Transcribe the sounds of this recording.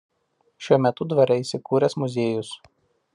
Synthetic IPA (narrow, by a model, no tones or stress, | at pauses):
ʃʲuɔmʲɛt̪ʊd̪ʋɐɾʲɛiːˑsʲɪkuːɾʲɛsmʊzʲeːjʊs